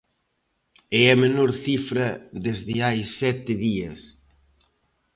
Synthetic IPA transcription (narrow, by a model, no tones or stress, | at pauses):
ɛɛmenoɾθifɾɐðezðɪajsɛt̪ɪðiɐ̰s